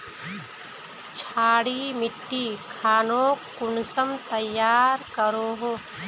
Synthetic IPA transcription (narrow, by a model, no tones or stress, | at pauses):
t͡ʃʰaːɽimɪʈːikʰaːnoːkʊnsəmt̪əjːaːɾkəɾoːɦoː